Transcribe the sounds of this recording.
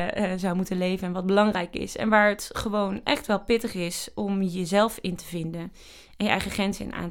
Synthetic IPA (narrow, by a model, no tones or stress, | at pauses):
zɑwmutənlejvənnʋɑd̚bəlɑŋrɛjkɪ̰sɛ̰nʋaːɹətχəʋownʔɛχtʋɛlˠpɪtəχɪsɔmjəzɛlˠfɪntəvɪndən | ɛnjəʔɛ̰jχəχɛnzɪ̰nʔa̰ːnt